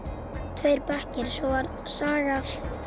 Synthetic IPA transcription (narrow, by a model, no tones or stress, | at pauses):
t̪ʰvœɥɾpahcɪɾ̥sowaɾ | saːɣaf